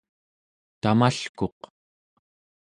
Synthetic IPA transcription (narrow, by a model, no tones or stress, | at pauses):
t̪amaɬko̞q